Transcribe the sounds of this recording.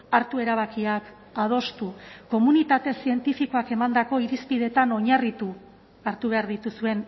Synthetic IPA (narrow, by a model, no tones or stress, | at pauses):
aɾt̪ue̞ɾaβ̞akiak | að̞o̞st̪uko̞munit̪at̪e̞sie̞nt̪ifiko̞ake̞mand̪ako̞iɾispiðe̞t̪ano̞ɲarit̪u | aɾt̪uβ̞e̞aɾðit̪usue̞n